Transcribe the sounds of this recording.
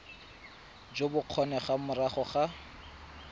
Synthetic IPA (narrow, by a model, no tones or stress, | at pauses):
d͡ʒobʊq͡χʰɔnɛχamʊraχɔχa